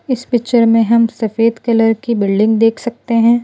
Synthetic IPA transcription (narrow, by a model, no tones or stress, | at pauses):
ɪspɪt͡ʃəɾmẽɦɐmsɐfeːd̪kɐləɾkibɪlɖɪ̃ŋɡ̚d̪eːkʰsɐk̚t̪eɦɛ̃ː